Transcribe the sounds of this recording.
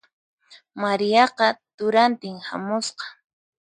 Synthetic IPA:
maɾijɑqɑt̪ʊɾant̪ɪŋha̰mʊsqɑ̥

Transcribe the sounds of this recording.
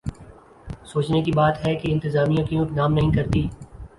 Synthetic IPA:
soːt͡ʃnekibaːt̪ɦɛkeɪ̃nt̪ɪzaːmijõkiõknaːmnɐɦĩkɐɾt̪iː

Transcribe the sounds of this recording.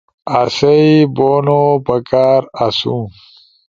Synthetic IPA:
asɐiboːnopɐkaːɾasũ

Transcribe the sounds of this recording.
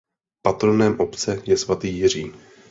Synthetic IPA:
pat̪ɾonɛːmʔo̞pt͡sɛjɛsvat̪iːjɪr̝iːn

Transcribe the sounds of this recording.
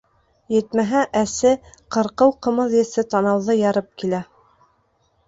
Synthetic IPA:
jɘ̆t̪mæɦæʔæsɘqɤ̆ɾqɤwqɤ̆mɤ̆ðjɘ̆sɘt̪ɑnɑwðɤjɑɾɤp̚kilæ

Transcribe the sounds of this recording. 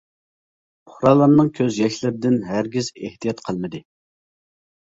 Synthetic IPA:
ʊχɾɑlˠːɑɾnɨŋkʲʰøzjɛʃlɪɾd̪ɪnɦæɾɡʲizeht̪ʰijɑt̪qʰəlˠmɨd̪ɨ

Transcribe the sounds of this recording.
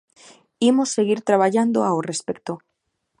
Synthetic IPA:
imosːeɣiɾt̪ɾaβaʝand̪oaorespek̚t̪o

